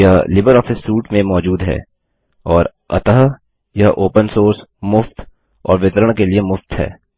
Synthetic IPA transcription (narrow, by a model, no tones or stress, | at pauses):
jalɪbəɾɔːfɪsːuːʈmẽmɔːd͡ʒuːd̪ɦɛ̰ː | ɔːɾ | ɐ̰t̪əɦ | jaʔoːpənsoːɾsmʊft̪ | ɔ̰ːɾʋɪt̪ɾəɽ̃keliemʊft̪ɦɛ̰ː